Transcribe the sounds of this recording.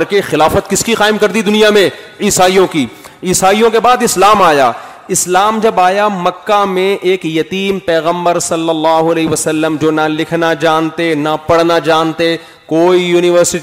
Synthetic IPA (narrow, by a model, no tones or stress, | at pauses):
ɾkexɪlaːfət̪kɪskiqaːɪmkɐɾd̪id̪ʊnijamẽ | iːsaːijõki | iːsaːijõkebaːd̪ɪslaːmaːjaː | ɪslaːmd͡ʒɐbaːjamɐkːamẽʔeːkjɐt̪iːmpɛːɣə̃mbəɾsɐlːɐlːaːɦoɐleːɦʋəsɐlːəmd͡ʒoːnalɪkʰnad͡ʒaːnt̪enapɐɽnad͡ʒaːnt̪e | koːijuːnɪʋəɾsɪʈ